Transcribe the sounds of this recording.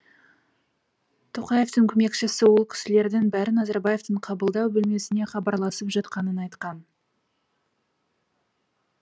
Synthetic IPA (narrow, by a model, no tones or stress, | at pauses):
t̪ʰoqɑje̞ft̪ɪŋkʲʰʏme̞kʃɪsɪwolˠkʲʰɪ̥sɪle̞ɾd̪ɪŋbæɾɪnɑzɑɾbɑje̞vt̪əɴqʰɑbəlˠd̪ɑwbʏlme̞sɪne̞χɑbɑɾlˠɑsəpʒɑt̪qɑnənɑjt̪qɑn